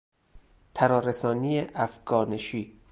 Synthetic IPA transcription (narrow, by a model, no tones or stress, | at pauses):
t̪ʰæɾɒːɾesɒːnijeʔæfɡɒːneʃiː